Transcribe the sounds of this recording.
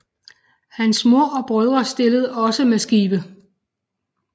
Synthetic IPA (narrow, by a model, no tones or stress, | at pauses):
hænsmoɐ̰ɒ̽b̥ʁœð̞ˠʁɐsd̥e̝ləð̞ˠɒ̽səmesɡ̥iːb̥ə